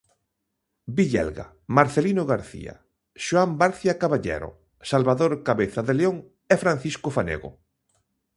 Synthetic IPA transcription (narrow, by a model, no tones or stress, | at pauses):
biʎɛ̰lɣa̰ | maɾθelinoɣaɾθḭa̰ | ʃoambaɾθjakaβaʎɛ̰ɾo̰ | salβaðoɾkaβeθaðeleoŋ | efɾãn̟θiskofanḛɣo̰